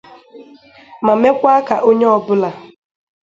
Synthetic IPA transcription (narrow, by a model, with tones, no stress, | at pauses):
ma˨me˦kʷa˦a˦ka˨ʔo˦ɲe˦ɔ˨bʊ˦la˨